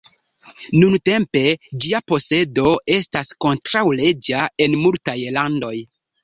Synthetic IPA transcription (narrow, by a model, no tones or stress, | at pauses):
nunte̞mpe̞d͡ʒiapo̞se̞do̞e̞stasko̞ntɾawle̞d͡ʒae̞nmultajlando̞j